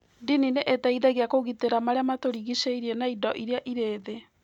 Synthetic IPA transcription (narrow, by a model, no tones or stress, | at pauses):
dinineʔetaiðaɣeakoɣiteɾamaɾeamatoɾiɣiʃeiɾienaidɔʔiɾeaʔiɾeːðe